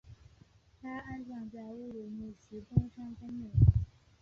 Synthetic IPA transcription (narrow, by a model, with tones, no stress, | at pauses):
t̪ʰa˥a˥nʂɑ˥˧ŋt͡sa˥˧ɪu˥˩lu˨˩mu˥˩ɕ̩˧˥t̪ʊ˥ŋʂɑ˥ŋka˥nmɛ˥˨˩